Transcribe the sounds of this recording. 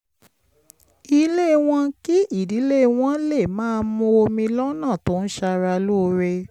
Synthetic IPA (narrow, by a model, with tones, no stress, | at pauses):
i˧le˦˧w̃ɔ̃˧ki˦ʔi˦˨di˨˦le˦˧w̃ɔ̃˦le˦˨mãː˦˧mũ˧˦o˧mĩ˧lɔ˦nã˦˨tõ˨˦n̩˦ʃa˧ɾa˧lu˦o˧ɾe˧